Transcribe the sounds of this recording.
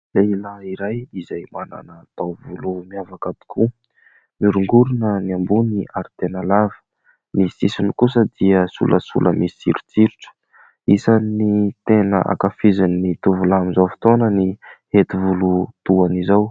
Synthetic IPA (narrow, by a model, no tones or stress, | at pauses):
leilaiɾajizajmana̰nat̪awvulumiavakat̪u̥kʰu | miɾuŋɡuɾunəniambuniʔaɾit̪enalavə̥ | nisisinikusəd̪̥iəsṵlʔəsṵlʔə̰misḭɾut͡siɾuʈ͡ʂə̥ | isanit̪enə̰ʔa̰kafizinːit̪uvulamizawfi̥t̪onənihet̪ivulut̪uanizaw